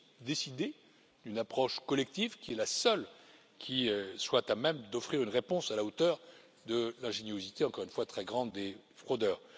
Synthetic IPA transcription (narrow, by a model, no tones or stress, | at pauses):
d̪esid̪e | d̪ynapχɔʃkɔlɛk̚t̪ivkʲiɛlasœl | kʲʰiøswɛt̪amɛmd̪ɔfχiʁynʁepɔ̃salaot̪œʁ | d̪əlɛ̃ʒenjozit̪eɑ̃kɔʁynfwat̪χɛɡʁɑ̃d̪ːe | fχod̪œːʁ